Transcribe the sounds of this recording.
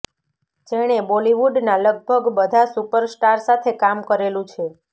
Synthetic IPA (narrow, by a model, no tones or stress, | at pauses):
d͡ʒeɽ̃eboliʋuɖnaləɡ̚bʱəɡbəd̪ʱasupəɾsʈaɾsat̪ʰekamkəɾelũt͡ʃʰe